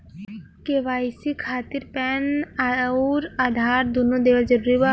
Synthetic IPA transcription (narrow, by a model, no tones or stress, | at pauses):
keʋaːjsikʰːaːt̪iɾpɛn | ɾaːd̪ʱaːɾd̪unod̪eːʋəld͡ʒɐɾuːɾiba